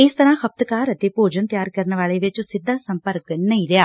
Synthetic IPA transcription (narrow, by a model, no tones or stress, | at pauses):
ɪːst̪ɐɾaːhɐp̚t̪əkaːɾɐt̪eːpoːd͡ʒənt̪jaːɾkɐɾnəʋaːɭeːʋɪt͡ʃʊsɪd̪ʱːaːsɐ̃mpəɾknɐiljaː